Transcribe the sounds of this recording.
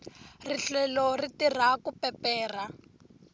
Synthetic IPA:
riɬɛlɔritir̤akupɛpɛːr̤a

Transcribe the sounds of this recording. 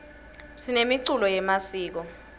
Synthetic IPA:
sinemiǀulɔjɛmasiːk̬ɔ

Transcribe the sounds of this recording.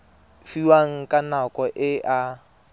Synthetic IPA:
fiwaŋ̩kʼanakʼɔʔɪʔa

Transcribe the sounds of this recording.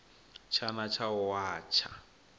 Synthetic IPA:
t͡ʃʰanat͡ʃʰaʊwaːt͡ʃʰa̰

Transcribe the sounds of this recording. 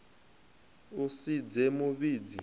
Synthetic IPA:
usid͡zɛmuɓiːd͡zḭ

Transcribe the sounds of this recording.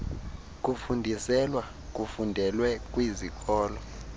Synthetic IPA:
k̬ʼufundʱisɛlwa | k̬ʼufundʱɛlwɛkʼwizik̬ʼɔːlɔ

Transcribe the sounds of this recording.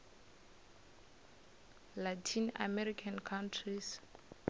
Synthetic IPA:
latʰĩna̰mɛɾikʰãnkʰãntʰɹis

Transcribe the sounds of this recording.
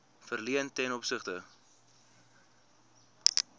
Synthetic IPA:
fərliəntɛnɔpsəχtə

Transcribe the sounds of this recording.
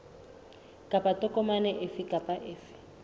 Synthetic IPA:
kʼapatʼɔkʼɔmanɛʔɪfɪkʼapʼaʔɪːfɪ̥

